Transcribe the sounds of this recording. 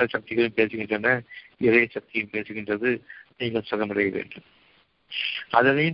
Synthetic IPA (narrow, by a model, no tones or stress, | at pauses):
ɐsɐk̚t̪ɪɣɐɭɯ̃mpeːsɯɣɪndrɐnːɐɪɾɐjɐsɐk̚t̪ɪɣjɯ̃mpeːsɯɣɪndrɐðɯniːŋɡɐɭsɔɣɐmɐɽɐjɐʋḛːɳɖɯm | ɐ̰ðɐnɐj